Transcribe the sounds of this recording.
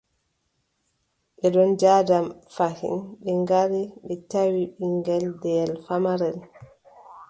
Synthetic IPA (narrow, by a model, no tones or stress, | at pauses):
ɓɛɗɔnd͡ʒaːdamfahḭnɓɛŋɡaɾiɓɛtawiɓiŋɡɛldɛlfamaɾɛl